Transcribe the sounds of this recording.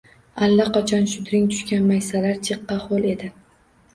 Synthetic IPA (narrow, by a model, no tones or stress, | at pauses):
alːaqʰɑt͡ʃʰɒnʃʊd̪ɾɪŋt̪ʰʊ̥ʃkʲanmajsalaɾt͡ʃʰɨqːɑχolˠe̞d̪ɪ